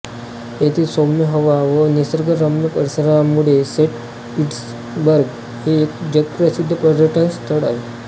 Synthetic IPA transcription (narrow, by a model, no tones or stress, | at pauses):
ɦet̪ʰiːsomjəɦəʋaʋənisəɾɡəɾəmjəpəɾsəɾamuɽeseʈ | iʈs | bəɾɡ | ɦeːkd͡ʑet̪̚pɾəsid̪ʱːəpɾəd̪ɾəʈʰənst̪ʰəɽaɦe